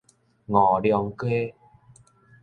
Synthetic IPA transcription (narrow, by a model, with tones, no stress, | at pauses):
ŋɔː˨˩ljɔ˧ŋke˦